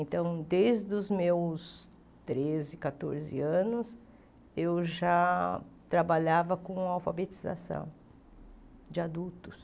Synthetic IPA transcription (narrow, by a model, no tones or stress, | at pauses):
ẽnt̪ɐ̃w̃d̪ejzd̪ʊzmews | t̪ɾezɪkat̪o̰ɾzɪ̰ɐ̃nʊs | ewʒat̪ɾabaʎavɐkõawfabet͡ʃiza̰sɐ̰̃w̃ | d͡ʒɪad̪ut̪ʊs